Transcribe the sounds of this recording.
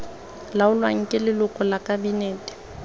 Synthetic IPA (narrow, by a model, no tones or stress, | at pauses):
laʊlwaŋ̩kʼɪlɪlʊkʼɔlakʼabineːtʼɪ̥